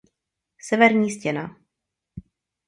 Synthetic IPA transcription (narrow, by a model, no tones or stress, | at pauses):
sɛvɛɾɲiːscɛna̰